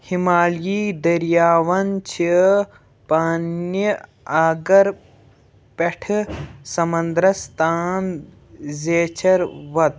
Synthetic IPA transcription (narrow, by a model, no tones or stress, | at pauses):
himaːljiːd̪ɐɾjaːʋɐnt͡ʃʰi | paːnjə | aːɡɐɾ | peʈʰsɐmɐnd̪ɾɐst̪ʰaːn | zeːt͡ʃʰɐɾʋɐt̪